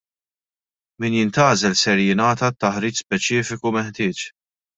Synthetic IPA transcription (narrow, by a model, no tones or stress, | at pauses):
miːnjɪnt̪ɐːzɛlsɛɾjɪnɐːt̪ɐt̪ːɐħɾiːt͡ʃspɛt͡ʃɪːfɪkumɛħt̪ɪːt͡ʃ